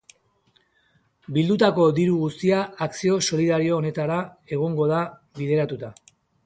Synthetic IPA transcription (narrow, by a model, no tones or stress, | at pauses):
bild̪ut̪ako̞d̪iɾuɣust̪iaːksio̞so̞liðaɾio̞ːne̞t̪aɾae̞ɣ̞o̞ŋɡo̞ð̞a | βið̞e̞ɾat̪ut̪a